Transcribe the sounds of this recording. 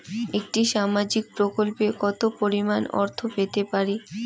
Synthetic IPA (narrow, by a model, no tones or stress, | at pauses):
ek̚ʈiʃamad͡ʑik̚pɾokolpekɔt̪opoɾimanɔ̰ɾt̪ʰopet̪epaɾi